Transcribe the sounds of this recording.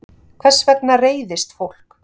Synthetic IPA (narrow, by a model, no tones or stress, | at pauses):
kʰvɛsːvɛt̚nareːjðɪst̪fowl̥k